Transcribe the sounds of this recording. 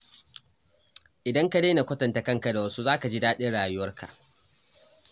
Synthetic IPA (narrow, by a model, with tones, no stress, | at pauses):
ʔɪ˨dɐ˦ŋka˦deː˦na˨kʷɐ˦tɐ˨nta˨kɐ˦ŋka˨da˨wɐ˦su˦zaː˦ka˨d͡ʒiː˦daː˦ɗɪ˦nɽaː˨jʊ˦wɐ˦rkʰa̰˨ʔ